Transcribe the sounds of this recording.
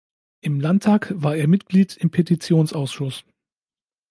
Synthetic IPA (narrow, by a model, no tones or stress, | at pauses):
ʔɪmlantʰːaːkv̥aːɐeːɐmɪtɡ̥liːtɪmpʰetit͡sjoːnsʔaʊsʃʊs